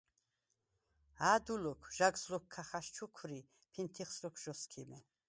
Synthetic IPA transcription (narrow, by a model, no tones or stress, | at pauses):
aːd̪ulɔkʰʒ̥aɡzlɔkʰːaχaʃt͡ʃʰukʰɾi | pʰint̪ʰiχslɔkʷʰʒ̥ɔskʰimɛ